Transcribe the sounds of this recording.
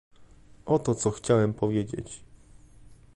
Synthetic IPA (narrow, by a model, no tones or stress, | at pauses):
ʔɔt̪ɔt̪sɔxt͡ɕawɛmpʰɔvʲjed͡ʑḛt͡ɕ